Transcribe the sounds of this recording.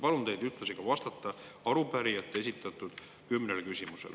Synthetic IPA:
pɑlund̪e̞jd̪yt̪ːˑlɑsikɑvɑst̪ɑt̪ːɑɑɾupæɾiɑt̪ːˑee̞sit̪ːˑɑt̪ːˑud̪̥ | kymːnelkysʲimusḛl

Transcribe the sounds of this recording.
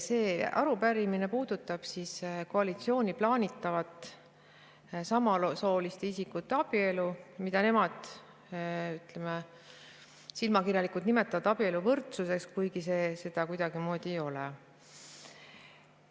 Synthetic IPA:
se̞ːʔɑ̰ɾupæɾiminepuːd̪̥ut̪ːˑɑb̥sisko̞ɑlit̪sio̞ːnʲiplɑːnʲit̪ːˑɑvɑt̪ˑ | sɑmɑlso̞ːlist̪e̞isikːut̪ːeɑb̥ie̞lumid̪̥ɑne̞mɑd̪̥ | yt̪le̞me | silmɑkirjɑlikˑult̪nime̞t̪ːˑɑvɑd̪̥ɑb̥ie̞luvɤrt̪suse̞kskujɡise̞ːse̞d̪̥ɑkujd̪̥ɑɡ̥imo̞ːd̪̥ijo̞lɛ

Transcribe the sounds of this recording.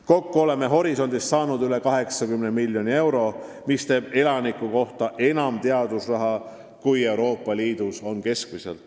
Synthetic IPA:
ko̞kːuo̞le̞me̞ɦo̞ɾiso̞nʲd̪̥ist̪sɑːnud̪yle̞kɑɦe̞ksɑkymnemiljo̞nie̞wɾo̞ | mist̪e̞ːb̥e̞lɑnikːˑuko̞ht̪ɑʔe̞nɑmt̪eɑd̪̥usrɑɦɑ | kuje̞wɾo̞ːpˑːɑliːd̪uso̞nke̞skmisḛl

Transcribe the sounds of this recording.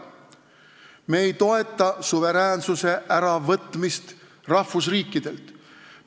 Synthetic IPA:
me̞ːjt̪o̞e̞t̪ˑːɑsuve̞ɾæːnsuse̞ʔæɾɑvɤt̪ːˑmist̪ | rɑhvus̬riːkːˑid̪̥e̞lt̪

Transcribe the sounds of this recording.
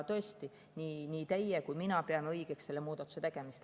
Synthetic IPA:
t̪ɤ̞est̪i | niːniːt̪ejːekujminɑpeɑmeɤjɡ̥eksse̞lːe̞muːd̪̥ɑt̪ːˑu̥se̞t̪eɡ̥e̞mist̪

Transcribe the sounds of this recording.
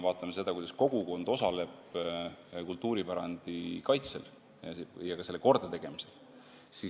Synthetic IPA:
vɑːt̪ːˑɑmese̞d̪ɑkujd̪ɑsko̞ɡ̥uko̞nd̪̥o̞sɑle̞b̥̚ | kult̪ːˑuːɾipæɾɑnd̪̥ikɑjt̪sel | jɑkɑse̞lːeko̞rd̪̥ɑt̪e̞ɡ̥e̞mise̞l | si

